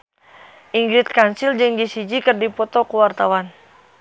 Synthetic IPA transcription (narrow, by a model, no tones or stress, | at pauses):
ʔiŋɡɾit̪̚kansild͡ʒɨŋd͡ʒisid͡ʒikərdipɔt̪ɔkuwart̪awan